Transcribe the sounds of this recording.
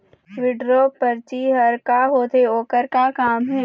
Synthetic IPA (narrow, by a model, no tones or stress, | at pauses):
ʋɪɖɾopɐɾt͡ʃiɦɐɾkaɦoːt̪eoːkəɾkakaːmɦɛː